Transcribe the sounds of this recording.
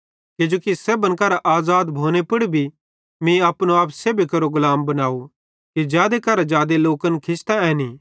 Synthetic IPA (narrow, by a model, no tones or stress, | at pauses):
kɪd͡ʒoːkisebə̃nkɐɾaʔaːzaːd̪bʱoːnepʊɽibʱi | mĩɐpnoaːpseːbikɐɾoɡʊlaːmbɐnaːu | kid͡ʒjaːd̪ekɐɾad͡ʒjaːd̪eloːkənkʰɪst̪aɛni